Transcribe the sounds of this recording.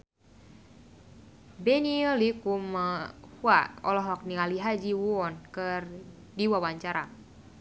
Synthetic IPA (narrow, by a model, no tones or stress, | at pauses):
bɛniɔlikuməhuaɔlɔɦlɔk̚nialiɦad͡ʒiwuɔnkɨr | diwawaɲt͡ʃaɾa